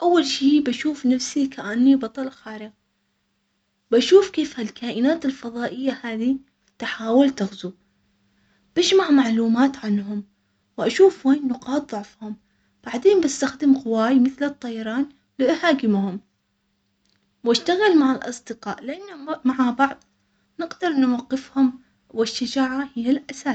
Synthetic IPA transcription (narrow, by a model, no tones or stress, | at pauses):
ʔawːalʃiːbaʃuːfnafsikʰaʔanːibɑt̪ˤɑlɑxaːɾɪɣ | baʃuːfkeːfhalkʰaːʔɪnaːt̪ɪlfɑðˤɑːʔɪjːahaːði | t̪ħaːwɪlt̪aɣzu | b̥aʃmaʕmaʕluːmaːt̪ʕanɦʊm | wʔaʃuːfweːnːʊqɑːt̪̚ˤðˤʊʕfhʊm | b̥aʕd̪eːnbast̪axd̪ɪmqʊwaːjmɪθlɨt̪ˤːɑjɑɾˤɑːn | lɪʔahaːkɪmhʊm | waʃt̪aɣalmaʕalʔɑ̰sˤd̪ɨqɑ̰ːʔlɪʔanːamaʕabɑʕðˤ | nɪɡd̪ɑɾˤʔnʊwaqːɪfhʊm | wɪʃːad͡ʒaːʕahɪjːalʔasaː